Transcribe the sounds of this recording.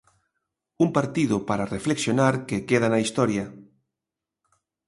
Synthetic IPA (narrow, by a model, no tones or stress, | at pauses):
umpaɾt̪iðʊpaɾarefleksjonaɾkekeðanɐist̪ɔɾjɐ